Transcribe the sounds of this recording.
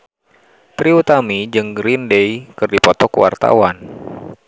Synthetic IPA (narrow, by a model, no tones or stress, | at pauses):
t̪ɾiut̪amid͡ʒɨŋɡɾindejkɨrdipɔt̪ɔkṵwa̰rt̪a̰wan